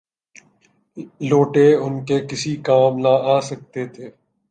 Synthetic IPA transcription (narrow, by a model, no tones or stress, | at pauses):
loːʈeʊnkekɪsikaːmnaːaːsək̚t̪et̪ʰeː